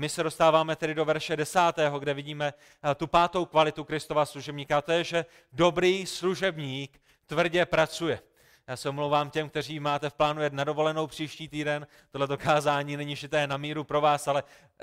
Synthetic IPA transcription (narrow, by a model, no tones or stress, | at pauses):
mɪsɛdo̞st̪aːvaːmɛt̪ɛdɪdo̞vɛɾʃɛdɛsaːt̪ɛːɦo̞ɡdɛvɪɟiːmɛ | t̪upaːt̪o̞wkvalɪt̪ukɾɪst̪o̞vasluʒɛbɲiːkaat̪ojɛʒɛ | do̞bɾiːsluʒɛbɲiːk | t̪vr̩ɟɛpɾat͡sujɛ | jaːsɛomlowvaːmcɛmk̚t̪ɛr̝iːmaːt̪ɛfplaːnujɛd̪nado̞vo̞lɛno̞wpr̝̥iːʃciːt̪iːdɛn | t̪odlɛt̪̬o̞kaːzaːɲiːnɛɲɪʃɪt̪ɛːnamiːɾupɾo̞vaːsalɛ